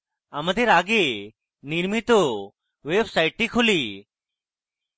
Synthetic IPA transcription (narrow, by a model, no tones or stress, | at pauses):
aməd̪ʱeɾaɡe | niɾmit̪o | ʋebsaɪʈːikʰuli